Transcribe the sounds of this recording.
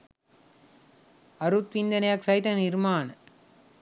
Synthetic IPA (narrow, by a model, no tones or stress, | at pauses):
ɐɾut̪ʋind̪ɐnɐjaksɐjt̪ɐnɪɾmaːn